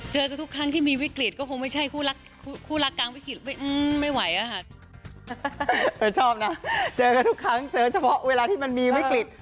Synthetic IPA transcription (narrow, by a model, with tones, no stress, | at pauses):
t͡ɕɤː˧kt̪ʰu˦˥kʰɾa˦˥ŋt̪ʰiː˥˩miː˧wi˦˥kli˨˩t̪̚kɔː˥˩kʰo˧ŋma˥˩jt͡ɕʰa˥˩jkʰuː˥˩ɾa˦˥kʰːkʰuː˥˩ɾa˦˥kːaː˧ŋwi˦˥kli˨˩t̪̚ma˥˩jʔɯː˧ma˥˩jwa˩˦jʔa˧˩kʰa˥˩ʔ | ɤː˧˩t͡ɕʰɔː˥˩p̚na˦˥t͡ɕɤː˧ka˧˩t̪ʰu˦˥kʰɾa˦˥ŋt͡ɕɤː˨˦mt͡ɕʰa˧pʰɔ˦˥ʔweː˧laː˧t̪ʰiː˥˩ma˧nmiː˧wi˦˥kli˨˩t̪̚